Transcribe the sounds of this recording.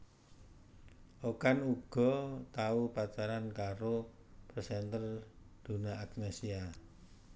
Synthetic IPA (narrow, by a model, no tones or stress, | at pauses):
ʔokanuɡ̥ɔ̤t̪aupat͡ʃaɾankaɾo | prsɛnt̪ərd̪̥ṳnaaknesia